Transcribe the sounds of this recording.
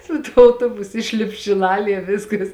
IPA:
sʊ ˈtuɔ ɐʊˈtoːbʊsʊ ˈɪʃʲlʲɪp ʃʲɪˈlˠɑːlʲiɛ ˈʋʲɪskɐs

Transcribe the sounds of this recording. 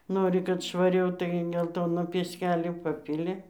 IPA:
ˈnoːrʲɪ kɐt ʃʋɐˈrʲɛʊ tɐɪ ɡʲɛlˠˈtoːnoː pʲiɛˈsʲkʲæːlʲoː ˈpɑːpʲɪlʲɪ

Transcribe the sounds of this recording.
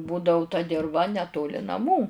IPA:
ˈbuːdɐʊ tɐ dʲɪrˈʋɐ nʲɛˈtoːlʲɪ nɐˈmuː

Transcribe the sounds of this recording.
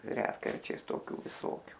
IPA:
ˈrʲæːtkɐrʲt͡ʃʲɛɪs toːˈkʲuː ʋʲɪˈsoːkʲʊ

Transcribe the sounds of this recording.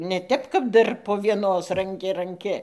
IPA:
nʲɛ ˈtʲɛp kɐp ˈdɐr poː ʋʲiɛˈnoːs rɐŋʲˈkʲɪ rɐŋʲˈkʲɪ

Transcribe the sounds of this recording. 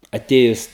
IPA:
ɐˈtʲeːjʊs

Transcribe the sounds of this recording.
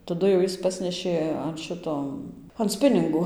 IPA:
tɐˈdʊ jɛʊ ˈjɪs ˈpɑːsʲnʲɛʃʲeː ɐn ˈʃʲɪtoː ɐn ˈsʲpʲɪnʲɪŋɡoː

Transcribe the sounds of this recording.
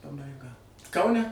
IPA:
pɐbɐɪˈɡɐ kɐʊˈnʲɛ

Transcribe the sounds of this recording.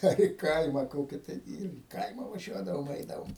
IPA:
ˈɐr ɪ ˈkɐɪmɐ ˈkoːkʲɪ ˈtɐɪ ɪr iː ˈkɐɪmɐ ʋɐˈʒʲuɔdɐʋoːm ˈɛɪdɐʋoːm

